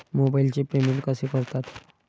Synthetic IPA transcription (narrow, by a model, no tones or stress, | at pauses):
mobailt͡ɕepemilkəsekəɾt̪at̪